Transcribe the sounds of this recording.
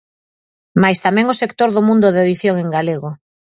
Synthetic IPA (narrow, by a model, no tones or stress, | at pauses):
majst̪amɛ̃ŋʊsekt̪oɾðʊmũnd̪ʊðeðiθjoŋeŋɡaleɣʊ